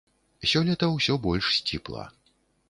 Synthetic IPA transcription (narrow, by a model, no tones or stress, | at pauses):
sʲɔlʲɛt̪ɐwsʲɔbɔlʲʂsʲt͡sʲḭplˠɐ̰